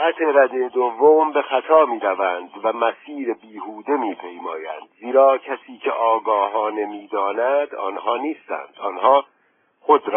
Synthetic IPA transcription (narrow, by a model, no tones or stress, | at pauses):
æt̪ʰeɾæd̪ed̪ovːombe̞xæt̪ʰɒːmiːɾævænd̪væmæsiːɾebiːhuːd̪emiːpʰe̞jmɒːjæ̰nd̪ziːɾɒːcʰæsiːcʰeʔɒːɡɒːɦɒːne̞miːd̪ɒːnæd̪ɒ̰ːnɦɒːniːst̪æ̰nd̪̥ɒːnɦɒː | xod̪ɾː